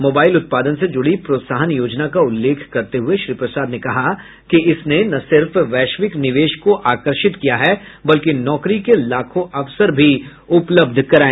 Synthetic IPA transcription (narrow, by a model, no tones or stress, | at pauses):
moːbaːɪlʊt̪̚paːd̪ənsed͡ʒʊɽipɾoːt̪saːɦənjoːd͡ʒnakaʊlːeːkʰkɐɾt̪eɦʊeʃɾiːpɾɐsaːd̪nekɐɦa | kiɪsnenɐsɪɾfʋɛːʃʋɪknɪʋeːʃkoʔaːkəɾʃɪt̪kijaɦɛbɐlkenɔːkɾikelaːkʰõʔɐʋsəɾbʱi | ʊpləb̚d̪ʱkɐɾaːẽ